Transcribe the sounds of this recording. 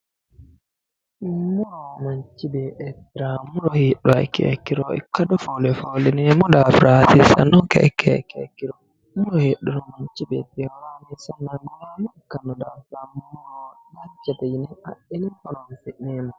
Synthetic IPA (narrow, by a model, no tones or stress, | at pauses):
muɾɔmaɲt͡ʃːibɛɛtɾamuɾɔheɗɔa̰jkɛ̰kiɾɔɛ̰kːadɔfolɛfolɛnɛmɔdafɾʔasisa̰nɔkɛ̰kʰɛ̰kɛ̰kːiɾɔ | muɾɔheɗːuɾɔmaɲt͡ʃibɛ̰tɛwamɛsanːamɔjamɔɛkːanɔdafammuɾɔdat͡ʃatajinɛa̰ɗinihɔlɔnsɛɗɛma